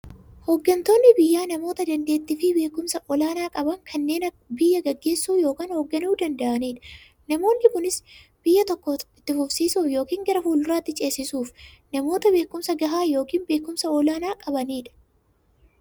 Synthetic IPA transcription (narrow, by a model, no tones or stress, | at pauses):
hoɡːɐnt̪o̞ːnːɪbɪjːaːnɐmo̞ːt̪ɐd̪ɐnd̪e̞ːt̪ːɪfɪbe̞ːkːʊmsɐʔɔlaːnaːkʼɐbɐŋkʰɐnːe̞ːnɐ | bɪjːɐɡɐɡːe̞ːsːuːjo̞ːkaːnhoɡːɐnuːd̪ɐnd̪ɐʔɐniːᶑɐ̥ | nɐmo̞ːnːɪkʊnɪs | b̥ɪjːɐt̪ɔkːɔɪt̪ːɪfʊfsiːsuːfjo̞ːkiːŋɡɐɾɐfuːlʊrɾaːt̪ːɪt͡ʃʼe̞ːsːɪsuːfnɐmo̞ːt̪ɐbe̞ːkːʊmsɐɡɐɦaːjo̞ːkiːnbe̞ːkːʊmsɐɔlaːnaːkʼɐbɐniːᶑɐ̥